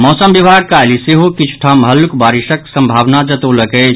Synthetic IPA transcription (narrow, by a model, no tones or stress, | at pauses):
mɔːsəmbibʱaɡ̚kajliseɦokit͡ʃʰu̥ʈʰamɦəlːukbaɾiʃəksəmbʱaʋnad͡ʒət̪ələkət͡ʃʰ